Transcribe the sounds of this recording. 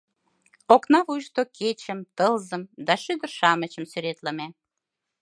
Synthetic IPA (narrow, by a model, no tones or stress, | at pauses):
oknɑβujʃt̪okʰet͡ɕə̆mt̪əlzə̆md̪ɑʃyd̪ərʃɑmət͡ɕəmsyɾet̪lə̆me